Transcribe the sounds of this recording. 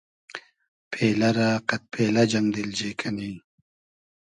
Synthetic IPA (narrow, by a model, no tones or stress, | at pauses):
pʰeːlɐɾaqɐt̪̚pʰeːlɐd͡ʑɐmd̪ild͡ʑeːkʰɐni